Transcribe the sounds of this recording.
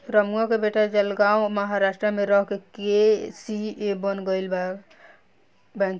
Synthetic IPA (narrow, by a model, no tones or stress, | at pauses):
kɾəmɡɔkebeʈad͡ʒəlɡaũməɦaɾasʈɾəmeɾəɦkekesiebənɡəɪlbak | bɛ̃n